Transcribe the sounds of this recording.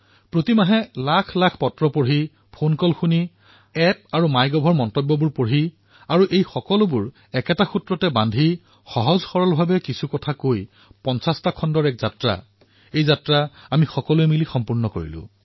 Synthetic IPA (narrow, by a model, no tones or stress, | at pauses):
pɹotimaɦɛlakʰlakʰpɔtɹɔpoɹɦi | pʰonkɔlxuni | ɛp̚aɹumajɡɔbʱɔɹmɔntɔbːɔbuɹpoɹɦi | aɹuʔejxɔkɔlʊbuɹ | ɛkɛtaxutɹɔtɛbandʱi | xɔɦɔzxɔɹɔlbʱabɛkisʰukɔtʰakoj | pɔnsastakʰːɔndɔɹɛkzatɹa̰ | ejzatɹaamixɔkɔlʊɛmilixɔmpuɹnɔko̰ɹḭlʊ̰̃